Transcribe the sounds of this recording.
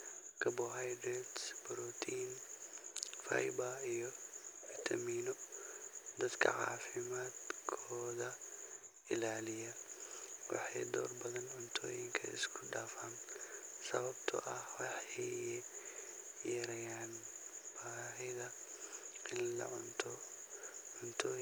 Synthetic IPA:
kʰɐbɔɦajdɾɛd̪sbɔɾɔt̪ʰiːn | fa̰jbɐijɔfit̪ʰɐmiːnɔ | d̪ɐd̪kʰɐ̰ʕa̰ːfɪmaːd̪kʰɔːðɐ | ɪlaːlɪjɐ | wɑ̰ħɑjd̪ɔ̰ːrbɐðɐnʕʊnt̪ʰɔːjɪŋkʰɐ̰ɪ̰skʰʊɖaːfaːnsɐβɐbt̪ʰɐ̰ʔɐhwɑħɛj | jɐɾɐjaːnb̥aːɦɪðɐ | ɪnlɐ̰ʕʊnt̪ʰɔ | ʕʊnt̪ʰɔː

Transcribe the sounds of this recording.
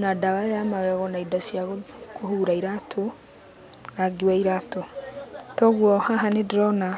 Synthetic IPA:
nadawaamaɣɛɣɔnaidasiaɣɔkohuːɾaiɾatʰo | naɡiwaiɾatotɔɣwɔhaɦanedɾɔna

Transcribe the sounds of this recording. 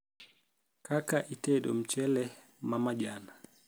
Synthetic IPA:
kakaʔitɛɗɔ̰m̩t͡ʃɛlɛ | mamad͡ʒana

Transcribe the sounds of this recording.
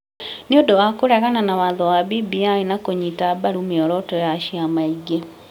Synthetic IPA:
neodowakoɾɛɣananawaðɔwabibiainakoɲitabaɾumiɔɾɔtɔjaʃiamaiɡe

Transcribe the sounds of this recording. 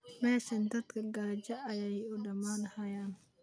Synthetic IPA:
mɛːʃɐnd̪ɐd̪kʰɐɡɐɾɐt͡ʃɐʔɐjɛjʊɖɐmaːnɐhɐjaːn

